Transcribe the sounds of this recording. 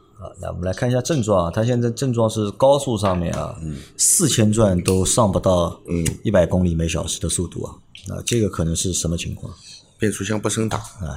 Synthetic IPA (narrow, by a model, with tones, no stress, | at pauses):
ɐ˧˩na̰˥˩wɔ̰˨˩mə˦la˧˥ɪ˥˧˥ɕja˥ʈ͡ʂɤ˥˧ŋʈ͡ʂwɑ˥˩ŋɐ˩t̪ʰa˥ɕ̬jɛ˥˧nt͡sa˥˧ɪʈ͡ʂɤ˥˧ŋʈ͡ʂwɑ˥˧ŋʂɻ̩˥˩kɑ˥ʊsu˥˧ʂɑ˥˧ŋmjɛ̰˥˩nɐ̰˨˩sɹ̩˥˩t͡ɕʰjɛ˥nʈ͡ʂwa˥˩nt̪o˥ʊʂɑ˥˩ŋpu˧˥t̪ɑ˥˩ʊ˥˩i˥˩pa˨˩ɪkʊ˥ŋli˨˩me˧˥ɪɕ̬jɑ˨˩ʊʂɻ̩˧˥d̪ə˧su˥˧t̪ṵ˥˩ɐ̰˩na̰˥˧ʈ͡ʂɤ˥˩ɡə˩kʰɤ˨˩nɤ˧˥ŋʂɻ̩˥˩ʂə˧˥mə˧t͡ɕʰḭ˧˥ŋkʰwɑ̰˥˩ŋpjɛ˥˩nʈ͡ʂʰu˥ɕjɑ˥˧ŋpu˥˩ʂɤ˥ŋt̪ɑ̰˨˩˦a̰˥˧˩